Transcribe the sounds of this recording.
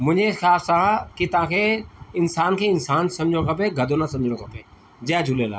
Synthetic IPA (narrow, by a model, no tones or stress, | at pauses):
mʊ̃ɲd͡ʒʱẽxjaːsaãkit̪ɐʋ̤ãːkʰeɪnsaːnkʰeɪnsaːnsɐmd͡ʒʱõkʰɐpeɡʱɐd̪onasɐ̃md͡ʒʱõkʰɐpeː | d͡ʒɛːd͡ʒʱʊleːla̰ː